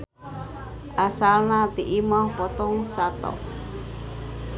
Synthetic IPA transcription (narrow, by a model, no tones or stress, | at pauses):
ʔasalnat̪iʔimɔhpɔt̪ɔŋsat̪ɔ̰ʔ